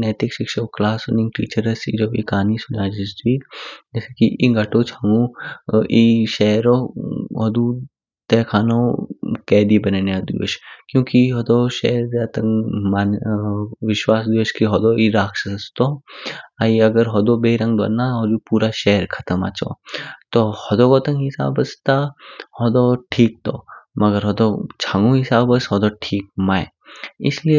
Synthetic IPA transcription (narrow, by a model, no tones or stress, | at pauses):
nɛːt̪ɪkʃɪkʃɐklaːsonɪ̃ŋʈḭːt͡ʃəɾəsḭd͡ʒoːbḭkaːnisʊnaːd͡ʒɪsd̪wiːd͡ʒɛːsekiʔiɡɐʈoːt͡ʃʰɐŋũ | iʃɛːɾoːɦɔd̪u | t̪ɛːkʰaːnõkɛːd̪ibɐnenjad̪ḭʋə̰ʃkjõːkiɦɔd̪oʃɛ̰ːɾd̪et̪ɐŋmaːn | ʋɪʃwaːs̬d̪iəʃkiɦɔd̪oiɾaːkʃɐsst̪oaiɐɡəɾɦɔd̪obeɾɐ̃ŋɡd̪wa̰ɾnaɦɔd͡ʒupuːɾaʃɛːɾkʰɐt̪əma̰t͡ʃo̰t̪ohɔd̪oɡot̪ɐŋɦɪsa̰ːbəst̪ahɔd̪oʈʰiːk̚t̪o̰ːmɐɡəɾɦɔd̪ot͡ʃʰaːŋɡũɦisaːbəsɦɔd̪oʈʰiːk̚maːj | ɪ̰slie